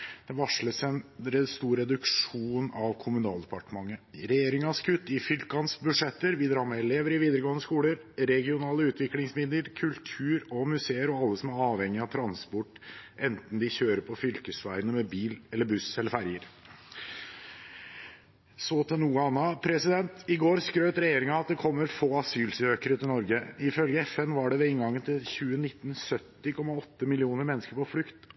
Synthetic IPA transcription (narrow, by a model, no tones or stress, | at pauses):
d̪̥ɛʋɑʂləsɛnɾɛst̪uːɾɛd̪ʉkʂuːnɑʋkʰʊmʉnɑːld̪ɛpɑʈəmɑŋːəɾɛjeːɾɪŋɑskʰʉt̪ːɪfʏlkɑnsbʉʂɛt̪ːəɾʋɪd̪ɾɑːɾmɛɛleːʋəɾɪʋiːd̪əɾəɡoːənəskuːləɾ | ɾɛɡɪʊnɑːləʉːt̪ʰʋɪklɪŋsmɪd̪ləɾkʰʉlt̪ʰʉːɾɔmʉseːəɾɔɑlːəsɔmæɾɑːʋɛŋːɪɑt̪ʰɾɑnspɔʈːʔɛnt̪n̩d̪ɪçøːɾəpʰɔfʏlkəsʋæɪnəmɛbiːlɛlːəɾbʉsɛləɾfæɾjəɾ | soːt̪ʰɛnuːəɑnːɑpʰɾɛsɪd̪ɛnt̪ɪɡoːɾskɾøːt̪ɾɛjeːɾɪŋɑɑt̪̚d̪ɛkʰɔmːəɾfoːɑsyːlsøːkəɾət̪ʰɪlnɔɾɡəɪfœlɡəɛfɛnʋɑɖɛʋɛɪŋɡɑŋːənt̪ʰɪlçʉːənɪt̪ːn̩sœt̪ːɪkʰɔmːɑɔt̪ːəmɪlɪuːnəɾmɛnːskəɾpɔflʏkt̪